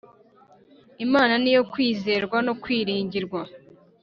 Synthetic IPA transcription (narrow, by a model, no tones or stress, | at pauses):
imaːnanijo̞kwiːze̞ɾɡwano̞kwiːɾiːɲɟiɾɡwa